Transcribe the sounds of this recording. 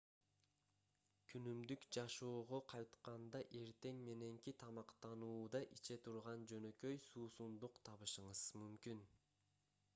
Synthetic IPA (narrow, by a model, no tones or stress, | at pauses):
kʰynymd̪ykd͡ʒɑʃo̞ːʁoqʰɑjt̪qɑnd̪ɑʔe̞ɾt̪e̞ŋme̞ne̞ŋkit̪ʰɑmɑqt̪ɑnuːd̪ɑʔit͡ʃe̞t̪ʰuɾʁɑnd͡ʒø̞nø̞køjsuːsund̪uqt̪ʰɑβɯʃɯɴɯz̥mymkyn